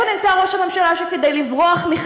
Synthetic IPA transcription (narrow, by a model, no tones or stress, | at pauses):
onimt͡saʁo̞ʃamemʃalaʃeked̪ejlivʁoaχmiχa